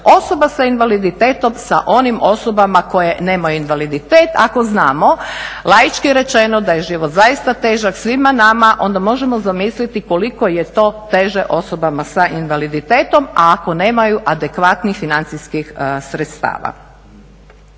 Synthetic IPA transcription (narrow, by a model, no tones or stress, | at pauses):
o̞so̞basainʋalid̪it̪eːt̪o̞msa̰ʔo̞nimo̞so̞bamako̞je̞neːmajuinʋalid̪it̪eːt̪a̰ko̞znaːmo̞lˠajit͡ʃkiɾe̞t͡ʃe̞nod̪aje̞ʒiʋot̪zajist̪at̪eːʒaksʋimanamaʔo̞̰nd̪amo̞ʒemozamiːslit̪iko̞liko̞jet̪o̞ːt̪e̞ʒeʔo̞so̞bamasaʔinʋalid̪it̪eːt̪o̞maːko̞ne̞ːmajuʔad̪ekʋat̪nixfinant̪siskixsɾet̪st̪a̰ːʋa̰